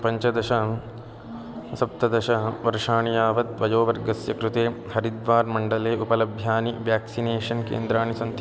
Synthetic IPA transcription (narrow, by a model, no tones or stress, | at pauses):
pɐɲt͡ʃɐd̪ɐʃɐ | sɐp̚t̪ɐd̪ɐʃɐɦʋɐɾʂaːɳijaːʋɐt̪ʋɐjoːʋɐɾɡɐsjɐ̰kɾut̪eː | hɐɾid̪ʋaːɾmɐɳɖɐleːʔupɐlɐbʱjaːniʋjaːksineːʂɐnkḛːnd̪ɾaːɳisɐnt̪